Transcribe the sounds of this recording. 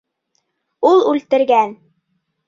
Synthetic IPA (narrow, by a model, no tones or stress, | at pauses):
ulˠʉlt̪ɘ̆ɾɡæn